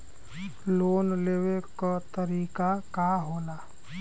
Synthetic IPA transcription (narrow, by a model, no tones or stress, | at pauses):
loːnleːwekat̪əɾiːkakaɦoːnaː